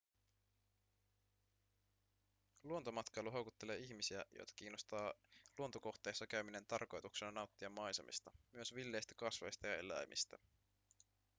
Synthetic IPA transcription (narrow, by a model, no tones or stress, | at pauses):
luot̪o̞mɑt̪kɑjluɦo̞wkut̪ːe̞le̞ːiçmisiæjo̰jt̪ɑ̥k̟iːnːo̞st̪ɑːluot̪o̞ko̞xt̪e̞jsːɑkæɥmine̞nt̪ɑrko̞jt̪ukse̞nɑnɑwt̪ːiɑmːɑjsḛmʔḭst̪ɑmyøsʋilːe̞jst̪æ̥kɑsʋe̞̰jst̪ɑjɑe̞̰læ̰jmʔḭst̪æ